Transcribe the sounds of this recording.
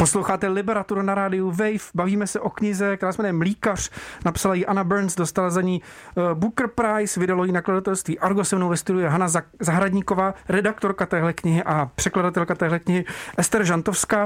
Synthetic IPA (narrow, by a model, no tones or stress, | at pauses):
po̞slowxaːt̪ɛlɪbɛɾat̪uɾunaɾaːdɪjuvɛjfbaviːmɛsɛʔo̞kɲɪzɛkɾaːsmɛɾnɛmliːkar̝̥napsalajiʔanabɛɾnsdost̪alazaɲiːbukɾ̩pɾajsvɪdalojinakladat̪ɛlst̪viːʔaɾɡosɛmnowvɛst̪udujɛɦanazaɦɾadɲiːko̞vaːɾɛdakt̪oɾkat̪ɛːɦlɛkɲɪɦɪʔapr̝̥ɛkladat̪ɛlkat̪ɛːɦlɛkɲɪɦɪʔɛst̪ɛɾʒant̪ofskaː